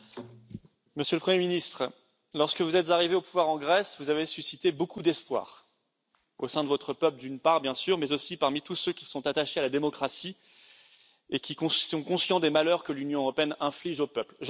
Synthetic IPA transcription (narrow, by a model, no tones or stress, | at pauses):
məsjøləpχəmjeminist̪χə | lɔʁskəvuzɛt̪zaʁiveopuvwaʁɑ̃ɡʁɛsvuzavesysit̪ebokud̪ɛspwa̰ːʁ | osɛ̃d̪əvɔt̪χəpœpləd̪ynpaʁbjɛ̃syʁmɛzosipaʁmit̪usøkʲissɔ̃t̪at̪aʃealad̪emɔkχasi | ekʲikɔ̃ɔ̃kɔ̃sjɑ̃d̪emalœʁkəlynjɔ̃øʁɔpeɛnɛ̃fliʒopœplʒ